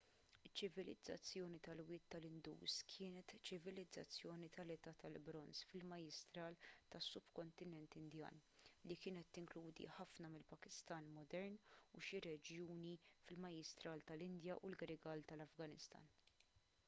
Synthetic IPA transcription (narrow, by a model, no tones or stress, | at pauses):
ɪt͡ʃːɪvɪlɪd͡zːɐ̰t͡sːjɔːnit̪ɐlwɪːt̪ːɐlɪnd̪ṵːskʰɪːnɛt̪t͡ʃɪvɪlɪd͡zɐt͡sːjɔːnit̪ʰɐlɛt̪ɐːt̪ɐlbɾɔnsfɪlmɐjɪst̪ɾɐːlt̪ɐsːʊb̥kɔnt̪ɪnɛnt̪ɪnd̪jɐ̰ːnlikɪːnɛt̪ːɪŋkluːd̪ḭħɐfnɐmɪlpɐkɪst̪ɐːnmɔd̪ɛɾnuʃiɾɛd͡ʒjuːnifɪlmɐjɪst̪ɾɐːlt̪ɐlɪnd̪jɐʔulɡɐɾɪɡɐːlt̪ɐlɐfɡɐnɪst̪ɐ̰ːn